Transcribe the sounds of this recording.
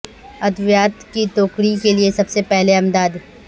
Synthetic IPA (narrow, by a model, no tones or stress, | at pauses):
ɐd̪ʋjaːt̪kit̪oːkɽikeliesɐbsepɛɦleɐmd̪aːd̪